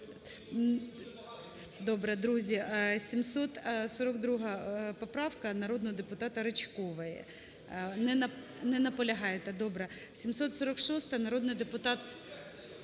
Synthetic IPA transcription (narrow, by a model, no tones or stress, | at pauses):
d̪ɔbɾɛd̪ɾuzʲisʲimsɔt̪sɔɾɔkd̪ɾuɦɐpɔpɾɑwkɐnɐɾɔd̪nɔɦɔd̪epʊt̪ɑt̪ɐɾɐt͡ʃkɔʋɐjɛ̰ | nɛɐ | nɛnɐpɔlʲɐɦɑjɛt̪ɛd̪ɔbɾɛsʲimsɔt̪sɔɾɔkʃɔst̪ɐnɐɾɔd̪nɪjd̪epʊt̪ɑt̪